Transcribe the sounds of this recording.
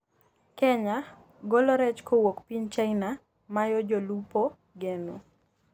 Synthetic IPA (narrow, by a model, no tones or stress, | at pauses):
kɛɲa | ɡɔlɔɾɛt͡ʃkowokpiɲt͡ʃaina | majɔd͡ʒɔlupo | ɡeno̰